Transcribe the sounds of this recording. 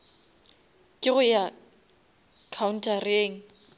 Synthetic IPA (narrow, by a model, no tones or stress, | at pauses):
kʼɪɣʊja | kʰaʊn̩tʼareːŋ̩